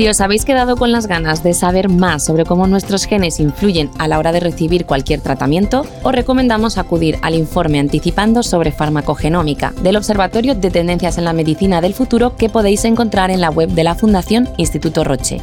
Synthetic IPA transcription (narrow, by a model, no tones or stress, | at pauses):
sio̞saβe̞jske̞ðað̞o̞ko̞nlazɣanazðe̞saβe̞ɾmasːo̞βɾe̞ko̞mo̞nwe̞st̪ɾo̞sxe̞ne̞siɱfluʝe̞nalao̞ɾað̞e̞re̞θiβ̞iɾkwalkje̞ɾt̪ɾat̪amjẽ̞nt̪o̞ | ore̞ko̞mẽnd̪amo̞sakuð̞iɾa̰liɱfo̞ɾme̞ant̪iθipand̪o̞so̞βɾe̞faɾmako̞xe̞nõ̞mika̰ðe̞lo̞βse̞ɾβat̪o̞ɾjod̪e̞t̪e̞nd̪e̞n̟θjase̞nlame̞ðiθinaðe̞lfut̪uɾo̞ke̞po̞ð̞e̞jse̞ŋko̞nt̪ɾaɾe̞nlaɣwe̞βd̪e̞lafund̪aθjo̞ninst̪it̪ut̪o̞ro̞t͡ʃe̞̰